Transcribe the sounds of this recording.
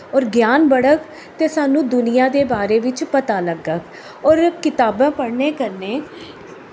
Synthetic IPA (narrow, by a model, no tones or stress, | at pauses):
ɔːɾɡjaːnbəɽək | t̪eːsaːnũːd̪ʊnɪjãːd̪eːbaːɾeːʋɪt͡ʃpət̪aːləɡək | ɔːɾkɪt̪aːbãːpəɽneːkəɾneː